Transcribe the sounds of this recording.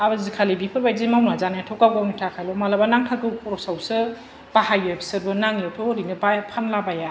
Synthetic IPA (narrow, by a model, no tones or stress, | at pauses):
abazikʰalibipʰɯɾbajzimawnazanajatʰɔkawɡawnitʰakʰajlɔmalabanaŋtʰakɯwpɔɾɔsawsɯ | b̥ahajɯbʰi̥sɯɾbɯnaŋjatʰɔɾinɯbapʰanlabaja